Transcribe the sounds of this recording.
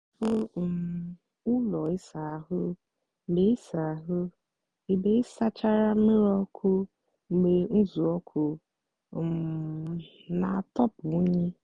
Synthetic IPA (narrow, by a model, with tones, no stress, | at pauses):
fʊ˦˨ | ʊ˦lɔ˨i˦sa˨a˨ɦʊ˦˨ | be˦i˦sa˨a˨ɦʊ˦ | i˦be˦i˦sa˦t͡ʃa˦ɾa˦me˦ɾɔ˦kʰʊ˦ | ŋ͡m̩˨ɡ͡be˨n̩˦zu˨ɔ˦kʰʊ˨ | na˨tɔ˦pʊ˨˦ɲi˦